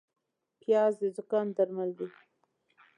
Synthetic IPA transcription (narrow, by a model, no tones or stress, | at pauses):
pjɑzd̪əd̪ʊkɑnd̪aɾmald̪i